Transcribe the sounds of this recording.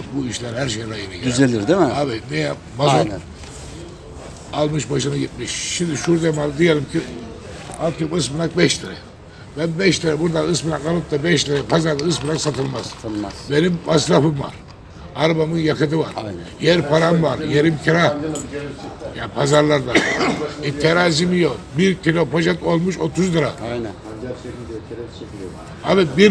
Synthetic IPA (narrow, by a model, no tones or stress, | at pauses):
buiʃlʲæɾhæɾʃejɾajɯnijyzelʲd̪iɾd̪imaβimeja | mazo | alˠmɯʃbaʃɯnaɟit̪̚miʃʃimd̪iʃuɾd̪emalˠd̪ijelʲˠimcʰi | alkɯmɯsmulˠak̚bɛʃt̪eɾɛ̰ | bænbɛʃt̪eɾɛbuɾd̪aɯsmulˠakalɯt̚t̪ːabɛʃt̪eɾɛpʰazaɾd̪aɯsmlaksat̪ʰɯlˠmaz̥ʰlˠmabe̞nimːasɾafɯmva̰ɾ | aɾbamɯnjakʰɯd̪ɯva̰ɾjɛɾpʰaɾamvaɾjeɾimcʲʰiɾa | japʰazaɾlˠaɾd̪ait̪ʰeɾaːzimijobiɾcʲʰilʲo̞pʰo̞ʒat̪o̞lˠmuʃo̞t̪ʰuzd̪ɯɾa | abibiɾ